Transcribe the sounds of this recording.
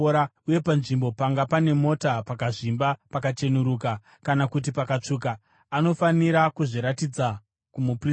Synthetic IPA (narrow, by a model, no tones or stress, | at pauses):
ɾauje̞panʐimbo̞paŋɡapane̞mo̞tapakaʐimbapakat͡ʃe̞nuɾuːka | kanakut̬ipakat͡ʂuːk̬aː | no̞faniɾakuʐiɾatid͡za | kumupri